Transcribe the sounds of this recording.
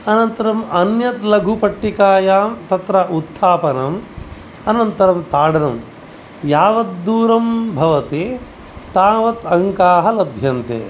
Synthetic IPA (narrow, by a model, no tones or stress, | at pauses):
ɐnɐnt̪ɐɾɐmɐnjɐt̪lɐɡʱupɐʈːikaːjaːmt̪ɐt̪ɾɐʔut̪ʰːaːpɐnɐm | ɐnɐnt̪ɐɾɐmt̪aːɽɐnɐm | jaːʋɐt̪̚d̪uːɾɐmbʱɐʋɐt̪e | t̪aːʋɐt̪ɐŋkaːɦɐlɐbʱjɐnt̪ḛː